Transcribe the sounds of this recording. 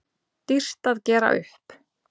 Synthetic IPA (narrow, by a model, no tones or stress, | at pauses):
t̪ir̥t̪aðcɛːɾa̰ʔʏ̰hp